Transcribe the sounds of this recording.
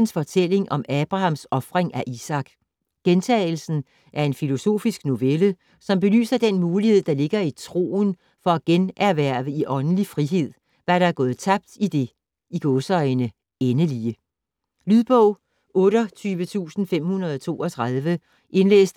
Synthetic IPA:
n̩sfɒ̽t͡sʰel̰e̝ŋʔɒ̽mæb̥ʁɑ̈hɑ̈m̰sɒ̽fʁeŋʔæʔisɑ̈ɡ̥ | ɡ̥ent͡sʰɛ̰ːɪl̩sn̩ | ʔæɐe̝nfilo̝so̝̰ːfisɡ̥no̝ʋelə | sɒ̽mb̥e̝ly̰ːsɐd̥enmuːlihe̝ð̞̰ˠd̥ɑ̈le̝ɡ̥ɐit͡sʰʁo̝̰ːn | fɒ̽æɡ̥enæɐʋæɐ̰ʋəiʔɒ̽nn̩lifʁiɦe̝ð̰ˠ | ʋæɐɾ̥ɑ̈æɐɡɔ̽ːð̞̩ˠt͡sʰɑ̈b̥̚d̥id̥e̝ | iɡ̥ɔsɒɪnə | enəliə | lyðˠb̥ɔʊ̰ | ɔ̽ːɾɒt͡sʰyːʋət͡sʰṵːsn̩fem̰hunɐð̞ˠɒt͡sʰo̝̰ːɒt͡sʰʁɑð̞ˠʋə | ʔe̝nlḛːsd̥

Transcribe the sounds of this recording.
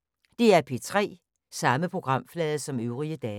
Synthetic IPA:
d̥e̝æɐpʰe̝t͡sʰʁɛ̰ː | sɑ̈məpʰʁo̝ɡ̥ʁɑ̈m̰flɛːðˠəsɒ̽møʊʁiəd̥ɛː

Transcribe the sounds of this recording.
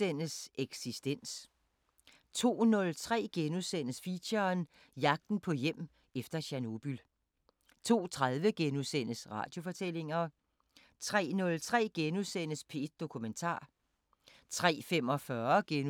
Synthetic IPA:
en̰əseɡ̥sisd̥en̰s | t͡sʰo̝̰ːnɔ̽lt͡sʰʁɛ̰ːɡ̥enuðˠsen̰əsfiɕɐn | jɑ̈ɡ̥̚d̥n̩pʰɒ̽jem̰ | efd̥ɐɕæno̝b̥yl | t͡sʰo̝̰ːt͡sʰʁað̞ˠʋəɡ̥enuðsen̰əsʁɑ̰̈ːd̥jo̝fɒ̽t͡sʰel̰e̝ŋɐ | t͡sʰʁɛ̰ːnɔ̽lt͡sʰʁɛ̰ːɡ̥enuðˠsen̰əspʰe̝d̥̚d̥o̝kʰument͡sʰɑ̰̈ː | t͡sʰʁɛ̰ːfemɒ̽fɶɐɡ̥en

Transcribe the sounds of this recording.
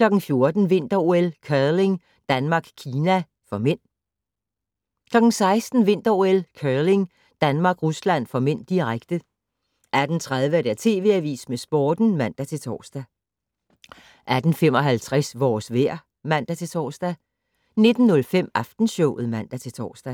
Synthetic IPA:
kʰlɒ̽ɡ̥n̩fjo̝ɐd̥n̩ʋe̝n̰d̥ɐoelkʰœle̝ŋ | d̥ænmɑ̈ːɡ̥kʰiːnæ | fɒ̽men̰ | kʰlɒ̽ɡ̥n̩sɑ̈ɪsd̥n̩ʋe̝n̰d̥ɐoelkʰœle̝ŋ | d̥ænmɑ̈ːɡ̥ʁuslæn̰fɒ̽men̰d̥iʁaɡ̥d̥ə | ʔæd̥n̩t͡sʰʁað̞ˠʋəæɐd̥æɐt͡sʰe̝ːʋe̝̰æʋḭːsmesb̥ɒːd̥n̩mæn̰d̥æt͡sʰe̝lt͡sʰɒ̰ːsd̥æ | ʔæd̥n̩fem̰ɒ̽ɦælt͡sʰʁɛsʋɒ̰ːsʋæɐ̰ | mæn̰d̥æt͡sʰe̝lt͡sʰɒ̰ːsd̥æ | ne̝d̥n̩ːɔlfem̰ɑ̈fd̥n̩sɔʊ̰ð̩ˠmæn̰d̥æt͡sʰe̝lt͡sʰɒ̰ːsd̥æ

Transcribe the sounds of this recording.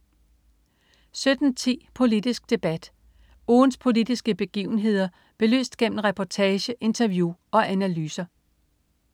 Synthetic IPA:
sød̥n̩t͡sʰḭːpʰo̝lid̥isɡ̥̚d̥e̝b̥æd̥ | oːnspʰo̝lid̥isɡ̥əb̥e̝ɡ̥ḭːʊn̩ɦe̝ð̞̰ˠɐ | b̥e̝lø̰ːsd̥̚ɡ̥em̰m̩ʁɛpʰɒt͡sʰɛːɕəʔe̝nt͡sʰɐʋjuɒ̽ʔænælyːsɐ

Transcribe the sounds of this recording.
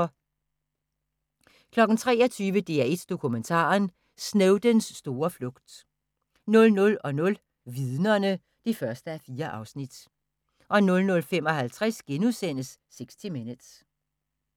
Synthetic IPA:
kʰlɒ̽ɡ̥n̩t͡sʰʁɛ̰ːɒt͡sʰyːʋəd̥e̝æe̝d̥d̥o̝kʰument͡sʰɑ̰̈ːn | sneʊd̥ənsːd̥o̝ːɐflɔ̽ɡ̥d̥ | nɔ̽lnɔ̽lɒ̽nɔ̽l | ʋiðˠnɐnə | d̥ifɶɐsd̥əæfiːɐʔɑ̈ʊsnid̥ | ʔɒ̽nɔ̽lnɔ̽lfemɒ̽ɦælt͡sʰʁasɡ̥enuðˠsen̰əsːeɡ̥sd̥imenə̥s

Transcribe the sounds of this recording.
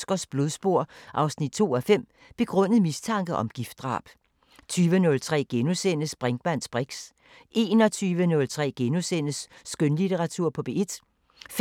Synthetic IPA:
sɡ̥ɒsb̥loðˠsb̥o̝ɐ̰ʔɑ̈ʊsnid̥̚t͡sʰo̝̰ːæfem̰ | b̥e̝ɡ̥ʁɔ̽n̰əð̩ˠmist͡sʰɑ̈ŋ̰ɡ̥ð̩ɒ̽mɡ̥ifd̥̚ʁɑ̰̈ːb̥ | t͡sʰyːʋənɔ̽lt͡sʰʁɛ̰ːɡ̥e̝nosen̰əsb̥ʁɛŋɡ̥m̥æn̰sb̥ʁeɡ̥s | ʔe̝ːnɒ̽t͡sʰyːʋənɔ̽lt͡sʰʁɛ̰ːɡ̥e̝nosen̰əsːɡ̥ønlit͡sʰeʁɑ̈t͡sʰuɐ̰pʰɒ̽b̥e̝e̝d̥ | f

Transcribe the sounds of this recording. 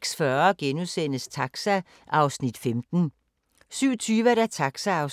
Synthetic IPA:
ɡ̥sfɶɐɡ̥enusen̰əst͡sʰɑ̈ɡ̥sæ | ʔɑ̈ʊsnid̥femd̥n̩ | syʊ̰ɐt͡sʰyːʋæɾæt͡sʰɑ̈ɡ̥sæɑ̈ʊs

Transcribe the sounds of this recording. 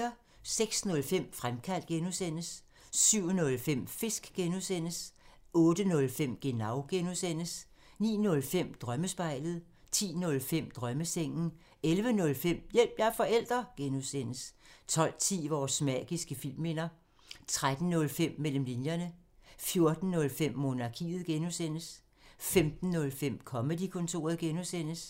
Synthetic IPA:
ɐ | seɡ̥snɔ̽lfem̰fʁamkʰæl̰d̥̚ɡ̥enuðˠsen̰əsː | yʊ̰nɔ̽lfem̰fe̝sɡ̥ɡ̥enusen̰əs | ɔ̽ːd̥ənɔ̽lfem̰ɡ̥e̝nɑ̈ʊɡ̥enuðˠsen̰əs | nḭːnɔ̽lfem̰d̥ʁɶməsb̥ɑ̈ɪ̰lð̩ˠ | t͡sʰḭːnɔ̽lfem̰d̥ʁɶməseŋ̰n̩ | elʋənɔ̽lfem̰jel̰b̥jɑfɒ̽el̰d̥ʁɐɡ̥enusen̰əst͡sʰɒ̽l̰t͡sʰḭːʋɒːsmɛ̰ɡ̥isɡ̥əfil̰mːe̝nɐ | t͡sʰʁad̥n̩nɔ̽lfem̰mel̰m̩linjɐnə | fjo̝ɐd̥n̩ːɔ̽lfem̰ːo̝ːnɑ̈kʰḭːð̞̩ˠɡ̥enusen̰əs | femd̥n̩ːɔ̽lfem̰kʰɒ̽məd̥ikʰɔ̽nt͡sʰo̝̰ːɐð̞̩ˠɡ̥enusen̰əs

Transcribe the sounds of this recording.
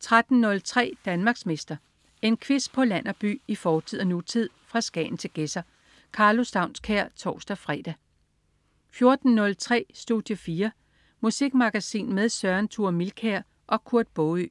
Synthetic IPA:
t͡sʰʁad̥n̩nːɔ̽lt͡sʰʁɛ̰ːd̥ænmɑ̈ːɡ̥sme̝sd̥ɐ | e̝nkʰʋes̚pʰɒ̽læn̰ɐb̥y̰ːifɒːt͡sʰið̰ˠɐnut͡sʰið̞̰ˠfʁɑ̈sɡ̥ɛ̰ːn̩t͡sʰe̝ɡ̥esɐ | kʰɑ̈ːlo̝sd̥ɑ̈ʊ̰nskʰæɐ̰t͡sʰɒ̰ːsd̥æfʁɛ̰ːd̥æ | fjo̝ɐd̥n̩nɔ̽lt͡sʰʁɛ̰ːsd̥uð̥ˠjəfiːɐ | musiɡ̥mɑ̈ɡ̥æsḭːnmeðˠsɶɐnt͡sʰuɐ̰milkʰæɐ̰ | ʔɒ̽kʰuɐd̥̚b̥ɔy

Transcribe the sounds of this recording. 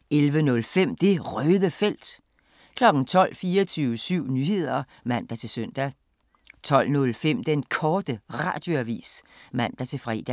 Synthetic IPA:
elʋənɔ̽lfem̰d̥e̝ʁœːðˠəfel̰d̥ | kʰlɒ̽ɡ̥n̩t͡sʰɒ̽l̰fiːɐt͡sʰyːʊəsyʊ̰nyːhe̝ð̞̰ˠɐ | mæn̰d̥æt͡sʰe̝søn̰d̥æ | t͡sʰɒ̽l̰nɔ̽lfem̰d̥enkʰɒːd̥əʁɑ̰̈ːd̥jo̝æʋḭːsmæn̰d̥æt͡sʰe̝fʁɛ̰ːd̥æ

